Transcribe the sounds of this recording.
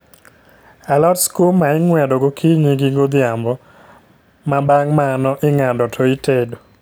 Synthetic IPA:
alɔdskulmaɪŋwɛdɔɡokʰiɲiɡiɡod̪ɪambɔ | mabaŋmanɔʔɪŋadɔtʰɔitedo

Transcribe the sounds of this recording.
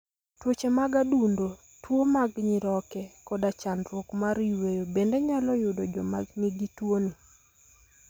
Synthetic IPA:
twot͡ʃemaɡadundo | twomaɡɲɪɾɔkɛkɔdat͡ʃandɾwokmaɾiwejobendeɲalɔjʊdɔd͡ʒɔma̰ɡniɡitwoni

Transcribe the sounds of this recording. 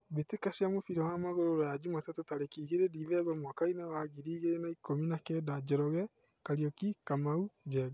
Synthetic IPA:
βetekasiamofiɾɔwamaɣoɾoɾɔjad͡ʒumatatotaɾekiːɣeɾeɾiβɛβɔmwakainɛwaɣiɾiːɣeenaikominakɛːdad͡ʒɛɾɔɣɛ | kaɾiɔkikamaud͡ʒɛɡ

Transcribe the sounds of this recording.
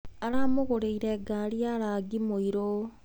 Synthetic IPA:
aɾamoɣoɾeiɾeɡaljaɾaɡimoiɾo

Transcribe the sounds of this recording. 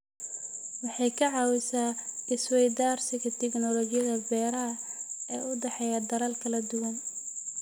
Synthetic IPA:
wɑħɑjkʰɐʕɑːwɪsaːɪswɛjd̪aːrsɪɣɐt̪ʰɛɡnɔlɔt͡ʃɪjɐðɐbɛːɾɐɦɐɛːʊd̪ɛħɛjɐd̪ɐɾɐlkʰɐlɐd̪ʊwɐn

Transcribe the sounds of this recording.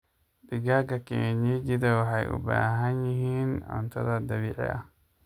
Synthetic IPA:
d̪ɪɡaɡɐkeːɲid͡ʒɪd̪ɐwɑħɑjʔʊ̰ba̰ːɦɐnjɪɦiːnɔ̰nt̪ʰɐðɐd̪ɐβiːʕɛ̰ʔɐ̰

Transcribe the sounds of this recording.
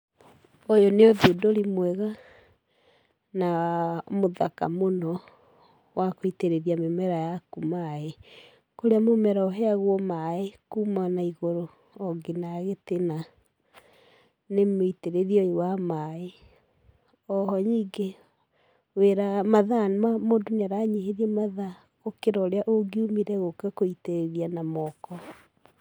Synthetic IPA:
ojoneoðudoɾimwɛɣa | namoðaka̰monɔ | wakoiteɾeðiamemɛɾajakumae | koɾeamomɛɾaɔɦɛaɣwɔmaekumanaiɣoɾo | ɔɡenaɣetena | nemoiteɾeðiɔiwamae | ɔhɔɲiɡe | weɾamaðanmamodonaɾaɲeɦeðiɛmaða | ɣokeɾɔːɾeaʔoɡiumiɾɛɣokɔkoiteɾeðianamɔkɔ

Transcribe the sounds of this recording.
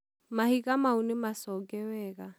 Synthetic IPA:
mahikʼamaunɪmasɔkʼɛwɛːkʼa

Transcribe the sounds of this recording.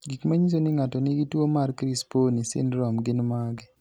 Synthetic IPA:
ɡikmaɲis̬onɪŋatɔnɪɡitwomarkɾisponisɪ̰nɾɔmɡɪnmaɡɪ

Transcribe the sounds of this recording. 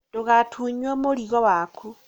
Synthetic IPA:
duɣatʰuɲwomuliɣowakʰu

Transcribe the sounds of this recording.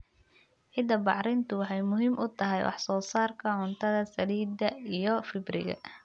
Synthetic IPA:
ʕɪd̪ɐbɑ̰ʕɾɪnt̪ʰʊwɑħɑjmʊɦiːmʔʊt̪ʰɐɦɛjwʔɑ̰ħsɔːsaːrkʰɐʕʊnt̪ʰɐðɐsɐliːd̪ɐijɞfɪbrɪ̰ɣɐ̰

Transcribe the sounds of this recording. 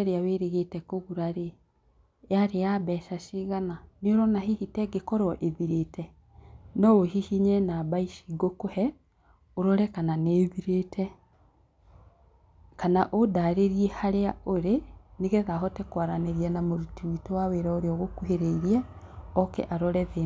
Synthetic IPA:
ɛɾeaweɾeɣetɛkoɣuɾaɾe | aɾejaβɛːʃaʃiɣananoɾɔnahihitɛɡekɔɾɔʔeβiɾetɛ | nɔwohihiɲɛnaβaiʃiɡokohɛ | oɾɔɾɛkananeːβiɾetʰɛ | kanaʔodaɾeɾiɛhaɾeaoɾeneɣɛðaɦɔtɛkwaɾaneɾjanamoɾutiitowaweɾaoɾeɔɣokuɦeɾeiɾiɛɔkḛʔaɾɔɾɛβe

